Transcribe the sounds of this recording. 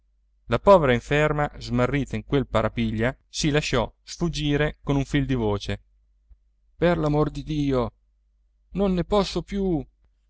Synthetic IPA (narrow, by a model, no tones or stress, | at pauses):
lapɔːveɾaiɱfermazmarːiːt̪aiŋkwelpaɾapiʎːa | silaʃɔsfud͡ʒːiːɾekonuɱfild̪ivoːt͡ʃe | perlamord̪id̪iːo | nonːepɔsːopju